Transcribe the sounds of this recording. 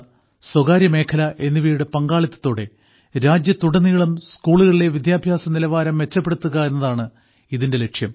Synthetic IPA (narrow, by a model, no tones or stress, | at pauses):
swɐɣaːɾjɐme̞ːkʰɐlɐʔe̞nːiʋiːɽɨpɐŋɡaːɭit̪ːɐ̥t̪ːo̞ːɽe̞ | ɾaːd͡ʑjɐt̪uɽɐnːiɣɐɭumskuːɭuɣɐɭile̞ʋid̪jaːbʱjaːsɐmnilɐʋaːɾɐmʋe̞t͡ɕːɐpːe̞ɽut̪ːuɣɐe̞nːɐðaːɳɨ | iðinde̞le̞kʂjɐm